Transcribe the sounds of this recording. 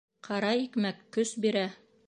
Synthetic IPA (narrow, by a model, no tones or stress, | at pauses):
qʰɑɾɑikmækːɵsbiɾæ